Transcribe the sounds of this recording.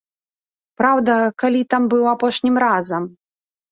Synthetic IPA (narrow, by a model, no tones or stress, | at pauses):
pɾawd̪ɐkalʲit̪ambɨwapɔʂnʲimɾazɐm